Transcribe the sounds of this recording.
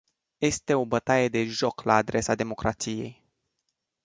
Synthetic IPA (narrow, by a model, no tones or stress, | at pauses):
je̞st̪e̞o̞bət̪aje̞d̪e̞ʒo̞klaːd̪ɾe̞sad̪e̞mo̞kɾat̪sije̞̰j